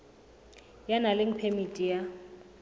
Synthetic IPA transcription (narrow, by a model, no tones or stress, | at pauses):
janalɪŋ̩pʰemitʼija